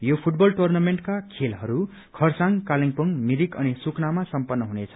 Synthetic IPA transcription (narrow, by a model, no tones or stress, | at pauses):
jopʰuʈbʌlʈurnameɳʈkakʰelɦʌɾu | kʰʌrsãŋkaliŋpʌŋmiɾikʌnisuknamasʌmpʌnːʌɦunet͡sʰʌ̥